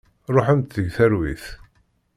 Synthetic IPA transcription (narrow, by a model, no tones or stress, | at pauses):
ɾˤoħənt̪θəʝθæɾwḭθ